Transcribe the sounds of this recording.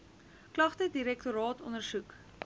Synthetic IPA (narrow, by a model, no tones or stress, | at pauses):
klɐχtədiɾɛk̚tuɾɑːtɔnərsuk